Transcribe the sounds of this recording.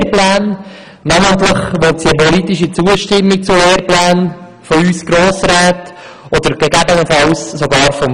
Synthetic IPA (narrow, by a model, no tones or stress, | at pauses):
ɾplæːn | nɑmənt̪ləχʋɔt̪siəpɔlit̪iʃit͡suəʃtɪmːik̚t͡sʊleːɾplæːn | fɔyːsɡ̥ɾoːsɾɛːt̪ | ɔd̪əɾɡ̥ɛɡæbənəfɑwssoɡɑːɾfɔm